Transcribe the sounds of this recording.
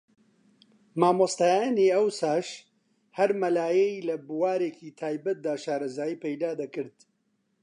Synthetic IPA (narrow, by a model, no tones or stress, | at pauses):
maːmost̪aːjaniːɐwsaːʃ | hɐɾmɐlaːjɛjlɐbuwaːɾeːkʰiːt̪ʰaːjbɐt̪̚d̪aːʃaːɾɐzaːjiːpejd̪aːd̪ɐkɨɾd̪̥